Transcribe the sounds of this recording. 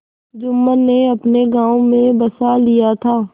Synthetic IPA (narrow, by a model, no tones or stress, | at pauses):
d͡ʒʊmːəneɐpneɡãːõmẽbɐsalijat̪ʰaː